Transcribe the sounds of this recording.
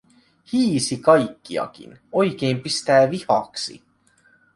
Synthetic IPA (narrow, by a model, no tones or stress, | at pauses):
hiːsikɑjkːiɑ̰k̟ḭno̞jk̟eːmpist̪æːʋihɑksḭ